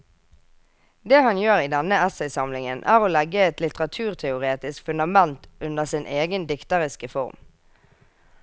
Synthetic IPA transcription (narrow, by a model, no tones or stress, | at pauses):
d̪eːhɑnjøːʁiːd̪ɛnəɛsɛɪsɑmlɪŋənʔæ̰ːʁoːlɛɡəɛt̪lɪt̪əʁɑt̪ʰʉːʁt̪ʰɛʊʁeːt̪ɪskfʉnd̪ɑmɛnt̪ʉnd̪əʁsɪnʔeːɡənd̪ɪkt̪əʁɪskəfɔʁm